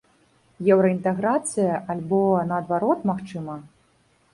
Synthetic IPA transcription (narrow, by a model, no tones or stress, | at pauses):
jɛwɾɐint̪ɛɣɾat̪sɨjɐʔalʲbɔnɐːd̪vaɾɔt̪maxt͡ʂɨmɐ